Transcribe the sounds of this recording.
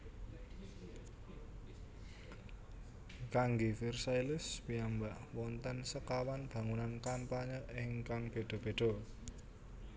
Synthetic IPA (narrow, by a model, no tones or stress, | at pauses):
kaŋɡifirsajlɪspiambaʔwɔnt̪ɛnsəkawanb̥a̤ŋunankampaɲəʔɪŋkaŋb̥e̤d̪̥o̤b̥e̤ɖ̥o̤